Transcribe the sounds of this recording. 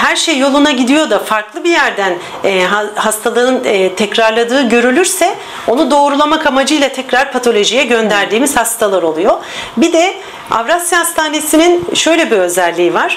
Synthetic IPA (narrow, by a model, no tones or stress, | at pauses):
hæɾʃejːo̞lˠunaɟid̪ijo̞d̪afaɾklˠɯbijæɾd̪ænː | ɦahast̪ʰalˠɯɯnːt̪ʰɛcɾaɾlˠad̪ɯːɟø̞ɾylʲyɾsɛ | o̞nud̪o̞ːɾulˠamakamad͡ʒɯjlˠat̪ʰɛcɾaɾpʰat̪ʰo̞lʲo̞ʒijɛɟø̞nd̪æɾd̪iːmiz̥hast̪ʰalˠaɾo̞lˠujo̞ | bid̪ɛ | a̰vɾasjahast̪ʰaːne̞sininʃø̞jlʲɛbiø̞zælʲːiːvaɾ̥